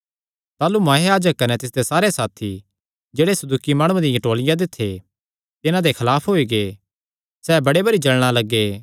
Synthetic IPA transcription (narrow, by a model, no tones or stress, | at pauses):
t̪aːlumãːɦeaːd͡ʒəkːɐnɛt̪ɪs̬d̪esaːɾesaːt̪ʰi | d͡ʒeːɽesɐd̪uːkimaːɽ̃ũãd̪ɪjɐ̃ʈoːlɪjãd̪ɪt̪ʰːe | t̪ɪnãd̪ekʰɐlaːpʰɦoːiɡe | sɛːbɐɽebɐɾid͡ʒɐɭɽ̃alɐɡːeː